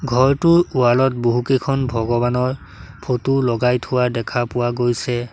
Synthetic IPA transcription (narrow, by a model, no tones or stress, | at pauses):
ɡʱɔɹtʊɹualɔt̚boɦukekʰɔnbʱɔɡɔbanɔɹ | pʰotulɔɡajtʰʊwadɛkʰapʊwaɡojsɛ